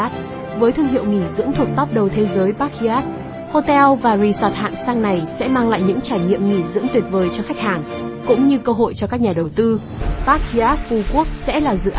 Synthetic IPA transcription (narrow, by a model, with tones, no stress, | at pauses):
a˦˥t̚ | vəː˨˦jt̪ʰɨ˧əŋhɦḭ˧˨əwŋi˧˩zɨ̰˧˥əŋt̪ʰu˨˩ək̚t̪ɔ˦˥p̚ɗə˨˩wt̪ʰe˨˦zəː˨˦jɓaː˦˥k̚i˧ʔaː˦˥t̚ | ho˧t̪ɛ˧wvaː˨˩zi˨˧˩sɔ˨˩t̚ha̰ː˧˨ŋsaː˧ŋna˨˩jsɛ̰˧˥maː˧ŋla̰ː˧˨jɲɨ̰˧˥ŋt͡ɕaː˧˩jɲḭ˧˨əmŋi˧˩zɨ̰˧˥ŋt̪wi˨˩t̚vəː˨˦jt͡ɕɔ˧xa˦˥k̚haː˨˩ŋ | kʊ̰˧˥ŋ͡mɲɨ˧kəː˧ɦo̰˧˨jt͡ɕɔ˧kaː˦˥k̚ɲaː˨˩ɗə˨˩wt̪ɨ˧ | ɓaː˦˥k̚i˧ʔaː˦˥t̚fu˧˩ku˦˥ək̚sɛ̰˧˥laː˨˩zɨ̰˧˨ʔ